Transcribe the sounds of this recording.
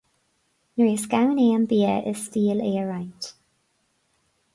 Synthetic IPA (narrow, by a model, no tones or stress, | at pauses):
nɹiːskawneːəmbiːəʔɪ̰z̥stiːleːɹajt